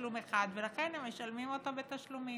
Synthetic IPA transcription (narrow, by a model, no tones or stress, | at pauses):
lume̞χad̪ve̞laχenhemeʃalmimo̞t̪abet̪aʃlumi